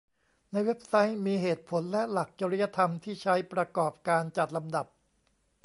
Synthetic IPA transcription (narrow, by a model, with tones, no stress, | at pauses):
na˧jwe˦˥p̚sa˦˥jmiː˧ɦeː˨˩t̪̚pʰo˩˦nlɛ˦˥la˨˩k̚t͡ɕaː˧ɾi˦˥ja˧t̪ʰa˧mt̪ʰiː˥˩t͡ɕʰa˦˥jpɾa˧kɔː˨˩p̚kaː˧nt͡ɕa˨˩t̪̚la˧mda˨˩p̚